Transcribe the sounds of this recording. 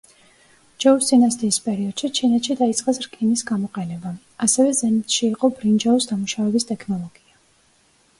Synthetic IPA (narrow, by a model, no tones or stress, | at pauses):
d͡ʒɛusinast̪ʼiːspʼɛɾiɔd̪̥ʃit͡ʃʰinɛt̪ʃid̪ait̪sʼqʼɛsɾkʼinisɡamɔqʼɛnɛba | asɛvɛzɛnit̪ʰʃiːqʼɔbɾind͡ʒaɔsd̪amuʃavɛbist̪ʼɛkʰnɔlˠɔɡ̥ia